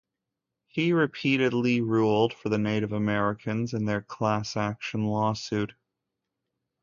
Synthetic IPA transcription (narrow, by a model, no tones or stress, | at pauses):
hiɹɨpʰiɾɨdˡliɹulˠd̥fə˞ðɨneɪɾɨvəmɛɹɨkʰɨ̃nzɨ̃nðə˞kʰl̥æsækʃə̃n̩lɔsʉt̚